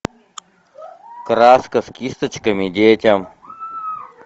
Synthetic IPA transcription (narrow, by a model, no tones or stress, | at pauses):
kɾaːskɐskist̪ət͡ʃkɐmid̪eːtʲɐm